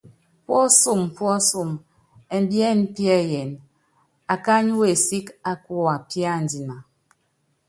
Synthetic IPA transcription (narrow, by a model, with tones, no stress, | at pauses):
pwɔ˦su˦˨m˨pwɔ˦su˦˨m | ɛ˨m˦bjɛ˦n˦pjɛ˦˨jɛ˨n | a˨ka˦ɲu˦we˨si˦ka˦ku˦a˨pja˦˨n˨di˨na˨